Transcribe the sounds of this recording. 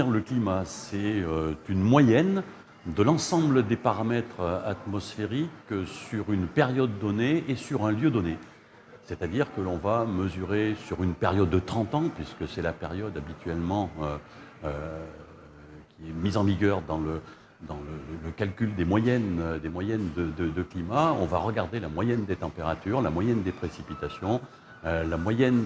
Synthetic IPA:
iʁləklimasɛøt̪ynmwajɛn | d̪əlɑ̃sɑ̃bləd̪epaʁamɛt̪χat̪mɔsfeʁiksyʁynpeʁjɔd̪ːɔneesyʁɛ̃ljød̪ɔne | sɛt̪ad̪iʁkəlɔ̃vaməzyʁesyʁynpeʁjɔd̪ːət̪χɑ̃t̪ɑ̃pɥiskəsɛlapeʁjɔd̪abit̪ɥɛlmɑ̃ø | ø | kʲiɛmizɑ̃viɡʲœʁd̪ɑ̃lə | d̪ɑ̃ləələkalkʲyld̪emwajɛnd̪emwajɛnd̪əd̪əd̪əklimaɔ̃va̰ʁəɡaʁd̪elamwajɛnd̪et̪ɑ̃peʁat̪yʁlamwajɛnd̪epχesipit̪asjɔ̃ | ølamwajɛn

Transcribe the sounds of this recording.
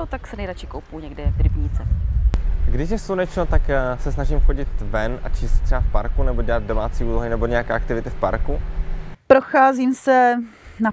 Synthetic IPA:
ot̪aksɛnɛjɾat͡ʃɪkowpuɲɛɡdɛdɾɪbɲit͡sɛ | ɡdɪʃjɛsunɛt͡ʃnot̪aksɛsnaʒiːmxo̞ɟɪt̪vɛnʔa̰t͡ʃiːstt̪r̥ɛbafpaɾkunɛboɟɛlad̪̚domaːt͡siːʔuːloɦɪnɛboɲɛjakɛːʔak̚t̪ɪvɪt̪ɪfpa̰ɾkupɾoxaːziːmsɛ | na

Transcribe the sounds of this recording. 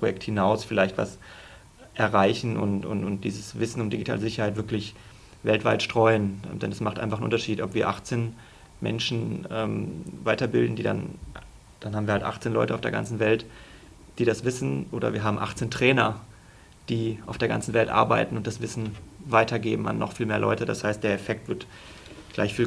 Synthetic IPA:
pojɛk̚thɪnaʊsfɪlaɪçtv̥a̰s | ʔɛɐʁaɪçn̩ʔʊ̰ntʊ̰nʊnt̚d̥iːzəsvɪsn̩ʊmdiɡitʰaːləzɪçɐhaɪv̥ɪɐklɪç | vɛltv̥aɪtʃtʁ̥ɔʏənd̥ɛ̰nasmaχtʔa̰ɪnfaχn̩ʔʊ̰ntɐʃiːtɔpv̥iːɐʔaχt͡seːn | mʔɛ̰nʃn̩ɛːmvaɪtɐbɪldn̩diːda̰n | d̥anhaːbm̩viɐhaltʔa̰χt͡seːnlɔ̰ʏtəaʊfd̥eːɐɡa̰nt͡sn̩vɛlt | d̥iːdasv̥ɪsn̩ʔoːdɐ̰viːɐɦaːbm̩ʔa̰χt͡seːntʁ̥ɛːnɐ | d̥iːʔaʊfd̥eːɐɡa̰nt͡sn̩vɛltʔa̰ɐba̰ɪtn̩ʊnt̚d̥asv̥ɪsn̩vaɪtʰɐɡeːbm̩a̰nːɔ̰χfiːlmeːɐlɔ̰ʏtəda̰shaɪst̚d̥eːɐɛfɛk̚tv̥ɪɐt | ɡ̥la̰ɪçfiː

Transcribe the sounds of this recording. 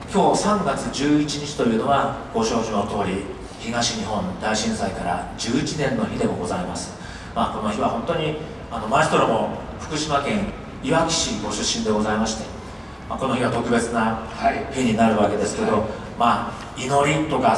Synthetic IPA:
kʲo̞ːsãŋɡat͡sɨd͡ʑɨːit͡ɕiɲit͡ɕi̥t̪o̞jɯ̟ːno̞ɡaɡ̥o̞ɕoːɕimot̪o̞ːɾʲi | çiɡaɕiɲiɦõ̞nd̪aiɕĩɰ̃saikaɾa̰d͡ʑɨːit͡ɕinẽ̞nːo̞çʲid̪e̞ɡo̞ɡo̞zaimasɨ̥ | mako̞no̞çiβahõ̞nt̪o̞ɲ̟i | ano̞maist̪oɾomo̞ | ɸɯ̟̥kɯ̟ɕimakẽ̞ɰ̃ | iβakʲi̥ɕiɡo̞ɕɨɕːĩnd̪e̞ɡo̞zaimaɕi̥t̪e̞ | mako̞no̞çiβat̪o̞kɯ̟be̞t͡sɨna | çiɲinaɾɯ̟βake̞d̪e̞sɨ̥ke̞d̪o̞ | ma | ino̞ɾʲit̪o̞ka

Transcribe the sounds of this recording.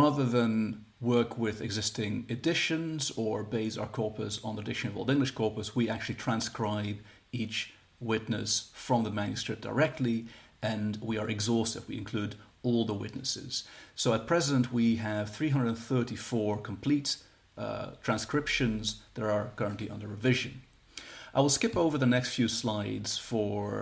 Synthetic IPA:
ɹaðə˞ðə̃n | wɜ˞kʰwɪðɨ̰ɡzɪstɪ̃ŋɨdɪʃɨ̃nzə˞beɪsaʊə˞kʰɔɹpɨsn̩ðiədɪʃɨ̃nʌvɔ̰lˠɪ̃ŋɡlɨʃkʰɔɹpəswiæk̚t͡ʃʉl̩ˠitʰɹ̥æ̃nskɹaɪb | it͡ʃ | wɪtⁿnɨ̰sfɹʌ̃mðəmæ̃njɨskɹɪp̚d̥ə̰˞ɛk̚tʰˡliɨ̃nwiə˞ʔɨɡzɔstɨ̰vwiɨ̃nkʰl̥ʉɾɔlˠðəwɪ̰tⁿnɨsɪ̰z̥soʊət̚pʰɹ̥ɛzə̃nʔwiɨv̥θɹiɦʌ̃ndədɨ̃nθɜ˞ɾifɔɹkʰm̩pʰl̥it | tʰɹ̥æ̃nskɹ̥ɪpʃɨ̃nzðəɾə˞kʰɜ˞ə̃nʔliʔʌ̰̃ndə˞ɹɨvɪʒɨ̰̃n | ʔaɪwəlˠskɪpoʊvə˞ðənɛkstfjʉslaɪdz̥fə˞

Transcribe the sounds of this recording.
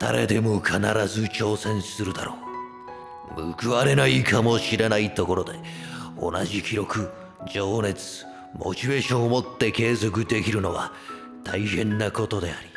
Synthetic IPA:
d̪̥a̰ɾe̞̰d̪e̞mo̞kʰanaɾazɨt͡ɕo̞ːsẽ̞ɰ̃sɨɾɯ̟d̪aɾo̞ː | mɯ̟̰kɯ̟βaɾe̞naikʰamo̞ɕiɾenait̪o̞ko̞ɾo̞d̪e̞ | o̞̰naʑikʲiɾo̞kɯ̟ | d͡ʑo̞ːne̞t͡sɨ̥ | mʔo̞̰t͡ɕibe̞ːɕõ̞omo̞t̪ːe̞ke̞ːzo̞kɯ̟d̪e̞kʲiɾɯ̟no̞βa̰ | t̪ʰaihẽ̞nːako̞t̪o̞d̪e̞aɾʲi̥

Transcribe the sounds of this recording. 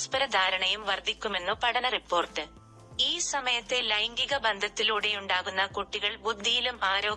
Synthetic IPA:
spɐɾɐd̪ʱaːɾɐɳɐjumʋɐrd̪ʱikʲːume̞nːupɐɽɐnɐripːo̞ːrʈːɨ | iːsɐmɐjɐt̪ːe̞lɐjŋɡiɣɐbɐnd̪ʱɐt̪ːiluɽejuɳɖaːɣunːɐkuʈːiɣɐɭbud̪ʱːijilumaːɾo̞ː

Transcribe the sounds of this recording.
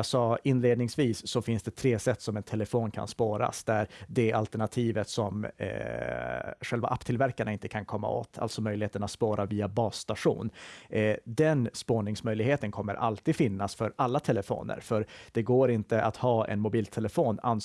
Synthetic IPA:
asɑːɪnːleːd̪nɪŋsviːsːɔfɪnsd̪ɛt̪ʰɾeːsɛt̪ːsɔmɛnt̪ʰɛlɛfoːnkʰa̰nspoːɾa̰sd̪æɾd̪ɛalt̪ɛɳat̪ʰiːvət̪sɔm | ɧɛlva̰ʔapːt̪ʰɪlvæɾkaɳaɪnt̪ə̥kʰankʰɔmːa̰o̰ːt̪ʰa̰lt̪sɔmœjlɪheːt̪ənat̪spoːɾʔaviːabɑːst̪aʂṵːn | d̪ɛnspoːɳɪŋsmœjlɪɡheːt̪ənkʰɔmːəɾʔa̰lt̪ʰiːd̪fɪnːasfœɾalːat̪ʰɛləfo̰ːnə̰ɾfœɾd̪̥ɛɡoːɾɪnt̪əʔat̪hɑːɛ̰nmʊbiːlt̪ʰɛləfoːna̰n

